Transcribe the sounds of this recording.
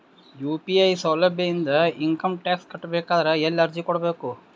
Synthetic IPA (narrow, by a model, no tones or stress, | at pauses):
juːpiɐjsɐːlɐbjɐjind̪ɐiŋkɐmʈjaːkskɐʈːbɛːkaːd̪ɐɾɐɛlːɐɾd͡ʒikɔɽɐbeːku